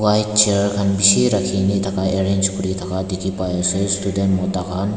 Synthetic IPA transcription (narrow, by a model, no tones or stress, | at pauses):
wajt̚t͡ʃeɾkʰanbisiɾɐkʰːinit̪ʰɐkaeɾend͡ʒkʰuɾit̪ʰɐkadikʰipajasɯstudentmot̪akan